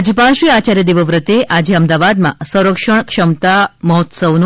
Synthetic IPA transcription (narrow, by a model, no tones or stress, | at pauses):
d͡ʒpãʃʋiat͡ʃaɾjəd̪iʋəʋɾət̪eʔad͡ʒeəmd̪aʋad̪mã̰sə̃w̃ɾəkʃəɳkʃəmt̪aməɦɔt̪səʋn